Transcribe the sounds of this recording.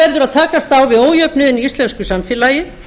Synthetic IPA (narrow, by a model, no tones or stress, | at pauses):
ɛɾðʏɾaðt̪ʰaːkast̪awvɪðoːwjœpnʏðɪniist̪lɛnskʏsamfɪːlajɪ